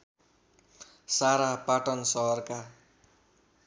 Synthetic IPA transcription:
saɾapaʈʌnsʌɦʌrka

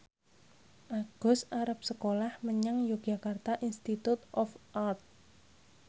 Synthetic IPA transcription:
ʔaɡ̥ɔ̤saɾap̚səkolahməɲaŋjo̥ʒ̥a̤kart̪aʔinst̪it̪ut̪ʔɔfʔart̪̚

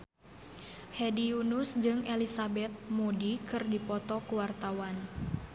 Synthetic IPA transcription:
hɛdiunusd͡ʒɨŋɛlisabɛt̪̚mudikɨrdipɔt̪ɔkuwart̪awan

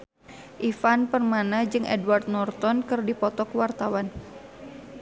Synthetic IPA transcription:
ʔifanpərmanad͡ʒɨŋɛ̰dwart̪̚nɔrt̪ɔnkɨrdipɔt̪ɔkwart̪awan

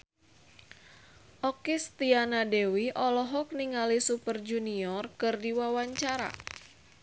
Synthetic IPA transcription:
ʔɔkɪst̪ianadewiʔɔlɔɦɔk̚niŋalisupərd͡ʒuniɔrkɨrdiwawaɲt͡ʃaɾa̰

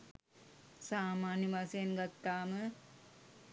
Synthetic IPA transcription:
saːmaːnjɐmasɐjɐnɡɐt̪ːaːmɨ

